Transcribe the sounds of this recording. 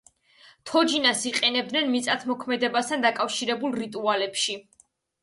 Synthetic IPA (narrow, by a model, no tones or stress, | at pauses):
t̪ʰɔd͡ʒinasiqʼɛnɛb̚d̪nɛnmit̪sʼat̪ʰmɔkʰmɛd̪ɛbast̪ʰand̪akʼafʃiɾɛbulˠɾit̪ʼualɛpʃi